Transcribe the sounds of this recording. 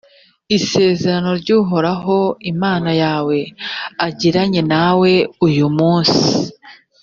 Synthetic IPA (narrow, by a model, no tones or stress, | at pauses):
ise̞ːze̞ɾano̞ɾɟuːɦo̞ɾaɦo̞imaːnajaːwe̞aɟiɾaɲe̞nawe̞ujumuːnsi